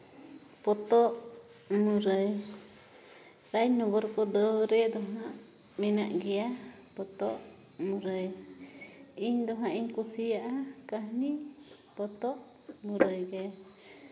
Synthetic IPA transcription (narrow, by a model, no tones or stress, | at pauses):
pɔt̪ɔʔ | muɾəj | ɾajnɔbɔɾkɔd̪ɔwɾɛd̪ɔɦãʔ | mɛnaʔɡɛja | pɔt̪ɔʔ | muɾəj | iɲd̪ɔɦãʔiɲkusijaʔakahni | pɔt̪ɔʔ | muɾəjɡɛa